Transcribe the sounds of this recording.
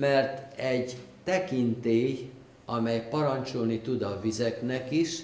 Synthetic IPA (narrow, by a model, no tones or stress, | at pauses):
mɛrt̪ɛɟt̪ɛkint̪eːj | ɒmɛjpɒɾɒnt͡ʃolnit̪ud̪ɒvizɛknɛkiʃ